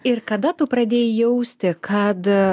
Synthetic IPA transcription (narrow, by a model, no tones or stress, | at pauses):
ɪrkɐd̪ɐt̪ʊpɾɐd̪ʲeːjɪjɛʊsʲt̪ʲɪkʰɐt̪